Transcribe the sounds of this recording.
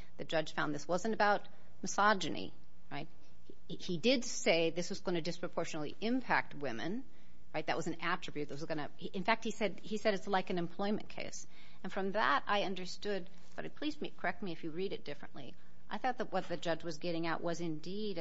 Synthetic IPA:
ðɨd͡ʒʌ̥ʒ̥fãʊ̃nðɪswʌzɨ̃ntɨbaʊt̚ | mɨsɑd͡ʒɨnḭ | ɹaɪt̚ | idɪdseɪðɪswʌzɡõɪ̃ñɨdɨspʰɹ̥əpʰɔɹʃnl̩ˠḭʔɪ̃mpʰæ̰k̚t̚wɪ̃mɨ̰̃n | ɹaɪt̪̚ðɨ̰ʔ̚wʌzn̩æt͡ʃɹ̥ɨbjʉt̪̚ðɨt̚wʌzɡʌñɨ | ʔɨ̃nfæk̚t̚hisɛd | isɛɾɨtslaɪkɨ̃nɨ̃mpʰl̥ɔɪ̃mɨ̃nkʰḛɪs | ɨ̃nfɹʌ̃mðəɾa̰ɪʌ̃ndə˞stʊd̚ | b̥ʌɾɨt̚pʰl̥izmikʰə˞ɛk̚t̚miɨfjɨɹiɾɨt̚d̥ɪfɹɨ̰̃nʔlḭ | ʔaɪθɔt̪̚ðət̚wʌt̪̚ðɨd͡ʒʌd͡ʒwʌzɡɛɾɪ̃ŋaʊʔ̚wʔʌzɨ̃ndiɾ

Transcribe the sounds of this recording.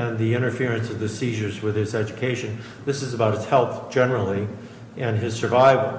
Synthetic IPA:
ɨ̃nðiɪ̃ɾ̃ə˞fɪɹɨ̃nsʌvðɨsiʒə˞zwɪð̥ɨzɛd͡ʒɨkʰeɪʃɨ̃n | ðɪsɨzəbaʊt̚ɨz̥hɛlˠθd̥ʒ̥ɛnə˞l̩ˠi | ʔɨ̃nɪz̥sə˞vaɪvl̩ˠ

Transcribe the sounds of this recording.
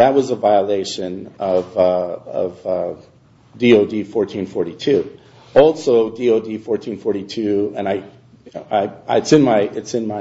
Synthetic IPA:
ðɨt̚wʌzəvaɪəleɪʃɨ̃nʌvʌʌ̰vʌ | dioʊdifɔɹtʰĩnfɔɹɾitʰʉ | ɔlˠsoʊdioʊdifɔɹtʰĩnfɔɹɾitʰʉɨ̃naɪ | aɪɪtsɨ̃nmaɪɨtsɨ̃nmaɪ

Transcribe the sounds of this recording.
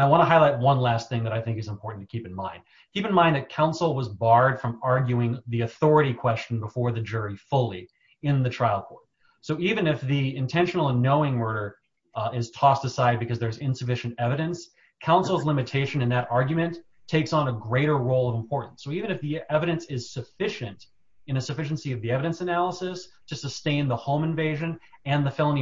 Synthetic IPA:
aɪwɑ̃ñəɦaɪlaɪt̚wʌ̃nlæst̪̚θɪ̃ŋðɨɾaɪθɪ̃ŋkɨzə̃m̩pʰɔɹʔn̩tʰɨkʰipn̩mã̰ɪ̃nd̥̚ | kʰipɨ̃n̩mãɪ̃nðɨt̚kʰãʊ̃nsl̩ˠwʌzbɑɹd̥fɹʌ̃mɑɹɡjʉɪ̃ŋðiɨθɔɹɨɾikʰw̥ɛst͡ʃn̩bəfɔɹðɨd͡ʒʊɹifʊlˠi | ɪ̃nðɨtʰɹ̥aɪl̩ˠkʰɔɹt̚ | soʊivɨ̃nɨfðiɪ̃ntʰɛ̃nʃn̩l̩ˠənoʊɪ̃ŋwɜ˞ɾə˞ | ɪz̥tʰɔstɨsaɪd̚bɨkʰʌzðə˞zɪ̃nsɨfɪʃɨ̃n̩tɛvɨɾɨ̃ns | kʰãʊ̃nsl̩ˠzlɪ̃mɨtʰeɪʃɨ̃nɨ̃nðɨɾɑɹɡjmɨ̃ntʰ | eɪksn̩əɡɹeɪɾə˞ɹoʊlˠʌṽm̩pʰɔɹʔn̩sːoʊivɨ̃nɨfðiɛvɨɾɨ̃nsɪz̥sɨfɪʃɨ̃nt | ɨ̃nɨsɨfɪʃn̩siʌvðiɛvɨɾɨ̃nsɨnælˠəsɨstʰɨsɨstẽɪ̃nðəhõʊ̃mɨ̃ɱveɪʒɨ̃nɨ̃nðɨfɛlˠə̃nĩ

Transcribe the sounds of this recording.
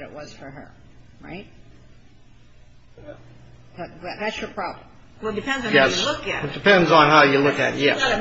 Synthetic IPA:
ɾɨ̰ʔwʌz̥fə˞ə̰˞ | ɹa̰ɪt̚ | ðʌððætsjə˞pʰɹ̥ɑblə̃m | wɛlˠd̥ɨpʰɛ̃ndzn̩jɛslʊkɛɨd̥ɨpɛ̃ndzn̩ɦaʊjɨlʊkɨ̰t̚jɛ̰

